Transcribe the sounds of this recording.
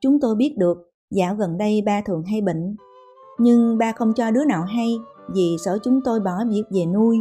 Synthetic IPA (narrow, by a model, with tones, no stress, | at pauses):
t͡ɕʊ˨˦ŋ͡mt̪o˧jɓi˦˥ət̚ɗɨ˨˩ək̚ | zaː˧˩wɣə˨˩nɗə˧jɓaː˧t̪ʰɨ̰˨˩əŋɦa˧jɓḭ˧˨ŋ̟ | ɲɨ˧ŋɓaː˧xə˧wŋ͡mt͡ɕɔ˧ɗɨ˨˦əna̰ː˧˨wɦa˧jvi˨˩səː˧˩t͡ɕʊ˨˦ŋ͡mt̪o˧jɓɔ˧˩ɓi˨˩ət̚ve˨˩nu˧j